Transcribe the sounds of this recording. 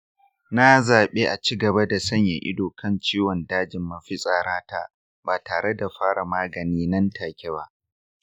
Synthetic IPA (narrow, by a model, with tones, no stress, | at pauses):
na˦zaː˨ɓeː˦ʔa˨t͡ʃiː˦ɡɐ˨ba˦da˨sɐ˦ɲja̰˨ʔɪ̰˦doː˨kɐ˦nt͡ʃiː˦wɔ˨ndaː˦d͡ʒɪ˨mːa˨ɸɪ˦sʼaː˨ɾaː˦ta˦ | baː˨taː˨ɽe˦da˨ɸaː˦ɽa˨maː˦ɡɐ˨niː˦nɐ˦ntʰaː˨kʲe˦ba˦ʔ